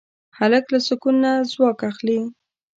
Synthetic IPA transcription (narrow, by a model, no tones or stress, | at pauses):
haləklasʊkunnːazwɑkaxli